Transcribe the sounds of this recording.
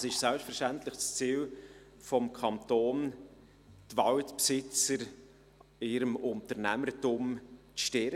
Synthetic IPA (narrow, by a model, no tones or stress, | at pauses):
ɑsɪʃsɛlpstfəɾʃtɛntlɪχst͡siːl | fɔmkʰɑntoːn | t̪vɑltpsɪt͡səɾ | ɪɾəmʊntəɾnæməɾtʊmt͡sʃtɪɾ